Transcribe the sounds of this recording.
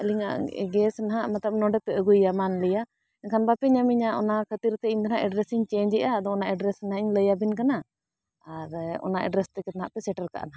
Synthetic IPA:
əliŋa̰ɡɛsnaɦaʔmat̪ləb̚nɔɖɛpɛʔəɡujamanləja | ɛnkʰanbapɛɲamiɲaʔɔnakʰət̪iɾt̪ɛiɲd̪ɔnaʔɛɖɾɛsiɲt͡ʃeːɲd͡ʒɛʔad̪ɔɔnaʔɛɖɾɛsnaɦaiɲləjabinkanaː | ɾɔ̰naʔɛ̰ɖɾɛst̪ɛkɛt̪anɦa̰ʔpɛsɛʈəɾka̰ʔa̰naɦa

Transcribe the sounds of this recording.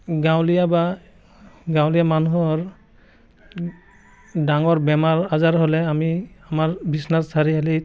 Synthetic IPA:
ɡawlijaba | ɡawlijamanuɦɔɹ | daŋɔɹbɛmaɹazaɹɦolɛamiamaɹbisnassaɹiɦali

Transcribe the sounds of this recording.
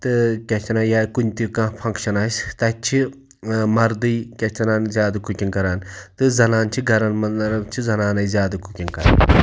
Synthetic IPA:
t̪ɨkʲet͡ʃʰɐnaːjaːkunʲt̪ikãːpʰɐ̃ŋkʃɐnɐsʲt̪ɐt͡ʃʰi | mɐɾd̪ɨjkʲɐt͡ʃʰɐnaːnzʲjaːd̪ɐkukʲinkɐɾaːnt̪ɨzɐnaːnt͡ʃʰiɡʱɐɾɐnmɐnɐɾɐt͡ʃʰizɐnaːnɐjzjaːd̪ɐkukʲinkɐɾa̰ːn

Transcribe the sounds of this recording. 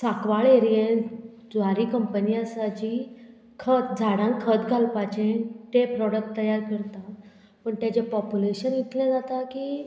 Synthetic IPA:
sakʋaɭeɾijen | d͡zʋaɾikəmpənijasat͡ɕi | kʰət̪d͡zʱaɽãŋkʰət̪ɡʱalpat͡ɕenʈ̪epɾɔɽək̚ʈt̪ːəjaɾkəɾt̪a | pəɳt̪jat͡ɕepɔpjuleɕənit̪lɛ̃d͡zat̪akiː

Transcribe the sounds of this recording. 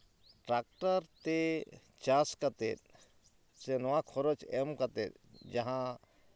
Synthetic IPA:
ʈɾak̚ʈaɾt̪e | t͡ʃãskat̪et̪̚ | senɔwãkʰɔɾot͡ʃɛmkat̪et̪̚ | d͡ʒaɦã

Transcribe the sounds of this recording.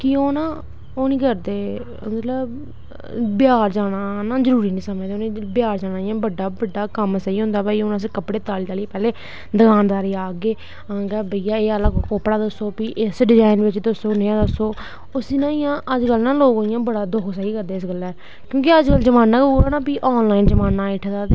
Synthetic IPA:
kioːnãː | oːnĩːkəɾd̪eː | mət̪ləb | bɪjaːɾd͡ʒaːɽaːnãːzəɾuːɾiːnĩːsəməd͡ʒd̪oːnĩːbɪjaːɾd͡ʒaːɽaːɪjãːbəɖaːbəɖːaːkəmsaːiːɦʊ̃nd̪aːbaːiːʊnãːs̬ekəpɽeːt̪aːliːt̪aːliːpɛːleː | d̪əɡãːnd̪aːɾiːaːɡeː | ãːɡɛːbəijaːeːələɡkoːpəɽaːd̪əsːoːpiːʔɪsɖɪd͡ʒaːɪnʋɪt͡ʃd̪əsoːnẽːãːd̪əsːoː | ʊsiːnãːɪjãːʔəd͡ʒkəlnãːloːɡoːɪjãːbəɽaːd̪ʊkʰsaːiːkəɾd̪eːɪsɡəlɛː | kjõːkɪəd͡ʒkəld͡ʒəmaːnːãːkuːɾaːnãːpiːʔɔːnlaːind͡ʒəmaːnːaːɪʈʰd̪aː

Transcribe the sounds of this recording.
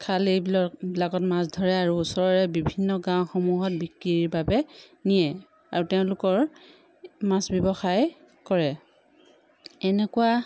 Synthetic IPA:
kʰalibbilakɔtmasdʱɔɹɛaɹuːsɔɹɔɹɛbibʱinːɔɡãw̃xɔmuɦɔt̚bikɹiɹiɹbabɛnijɛ | a̰ɹutɛʊ̃lʊkɔɹ | masbjɔbɔxaj | kɔɹɛ | ɛnɛkua

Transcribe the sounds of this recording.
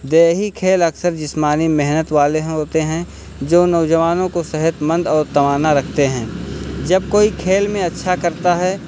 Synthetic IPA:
d̪eːɦikʰeːlɐksəɾd͡ʒɪsmaːnimɛɦnət̪ʋaːleɦɦoːt̪eɦɛ̃ | d͡ʒoːnɔːʊd͡ʒəʋaːnõkosɐɦət̪mə̃nd̪ɔːɾt̪ɐʋaːnaɾɐkʰt̪eɦɛ̃ːd͡ʒɐb̚koːikʰeːlmẽɐtːʃʰakɐɾt̪aɦɛː

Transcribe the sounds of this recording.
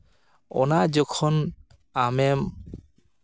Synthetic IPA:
ɔ̰naʔd͡ʒɔkʰɔn | amɛm

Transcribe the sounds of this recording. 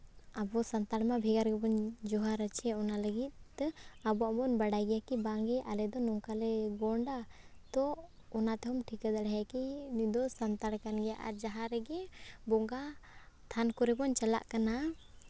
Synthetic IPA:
abɔsant̪aɽmabʱiɡaɾɡɛbɔnd͡ʒɔɦaɾət͡ʃɛɔnaləɡit̪̚abɔabɔnbaɽajɡɛjakibaŋɡɛʔalɛd̪ɔnɔŋkalɛɡɔɳɖat̪ɔ | ɔnat̪ɛɦɔmʈʰikad̪aɽɛɦɛkinid̪ɔsant̪aɽkanɡɛjaʔa̰d͡ʒaɦaɾɛɡɛbɔŋɡa | t̪ʰankɔɾɛbɔnt͡ʃala̰ʔkana

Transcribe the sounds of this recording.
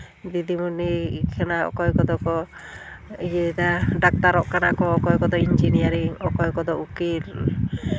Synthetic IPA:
d̪id̪imunikʰanaɔ̰kɔjkɔd̪ɔkɔ | ijɛd̪aɖak̚t̪aɾɔʔkanakɔːkɔjkɔd̪ɔind͡ʒinijaɾiŋɔkɔjkɔd̪ɔukil

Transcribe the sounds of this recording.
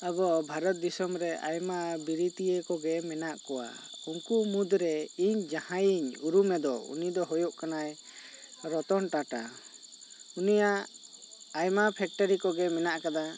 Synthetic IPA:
abɔbʱaɾɔt̪̚d̪isɔmɾɛʔajmabiɾit̪ijekɔɡɛmɛnaʔkɔwa̰uŋkumud̪ɾɛiɲd͡ʒahãjiɲuɾumɛd̪ɔ̰ṵnid̪ɔɦɔjɔʔkanaj | ɾɔt̪ɔnʈaʈa̰ | unijaʔ | ajmapʰɛk̚ʈɔɾikɔɡɛmɛnaʔkad̪a

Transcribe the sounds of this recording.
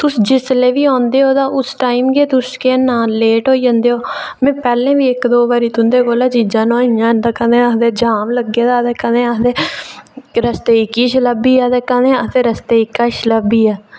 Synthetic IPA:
t̪ʊsd͡ʒɪsleːʋiːɔ̃ːnd̪eːoːd̪aːʔʊsʈaːimɡeːt̪ʊskeːnaːeːʈɦoːiːd͡ʒə̃nd̪eːɦoːmɛ̃ːpɛːlẽːʋiːɪkd̪oːbaːɾiːt̪ʊnd̪eːɡoːlaːd͡ʒiːd͡ʒãːnõːĩjãːnd̪aːkənẽːəd̪eːd͡ʒaːʋləɡeːd̪aːd̪ɛːkə̃nẽəɦd̪eː | ɾəst̪eːɪkiːʃləbiːaːd̪ɛːkãnẽːət̪eːɾəst̪eːɪkːaːʃləbiːɛː

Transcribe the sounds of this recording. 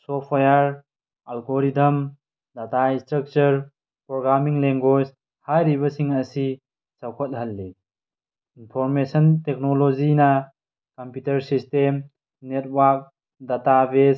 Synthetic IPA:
sopʰajaɾ | alɡoɾidɐm | dataistɾɐk̚t͡ʃɐɾ | pɾoɡɾamiŋleŋɡod͡ʒ | hajɾibɐsiŋɐsi | sawkʰɔt̚ɦɐlːi | inpʰɔɾmesɐntek̚nolozinɐ | kɐmputɐɾsistem | net̚waɾk̚ | databes

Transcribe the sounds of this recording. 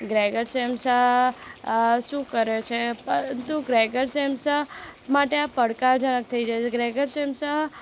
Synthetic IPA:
ɡɾɛɡəɾsemsəɦ | ʃũkəɾet͡ʃʰepəɾənt̪uɡɾɛɡəɾsemsəɦmaʈeapəɽkaɾd͡ʒənək̚t̪ʰəid͡ʒaet͡ʃʰeɡɾɛɡəɾsemsəɦ

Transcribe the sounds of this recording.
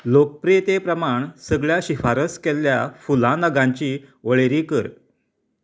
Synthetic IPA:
lok̚pɾiet̪epɾəmaɳsəɡɭjaɕifaɾəskɛlːjafulãnəɡãɲt͡ɕiːʋəɭeɾiːkəɾ

